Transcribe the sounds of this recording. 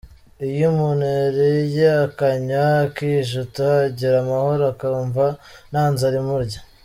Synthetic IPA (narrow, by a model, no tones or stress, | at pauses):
ijimuneɾejaakaɲakiʒutaɟiɾamahoɾakaɾuːɱvanaːnzaɾimuɾɟa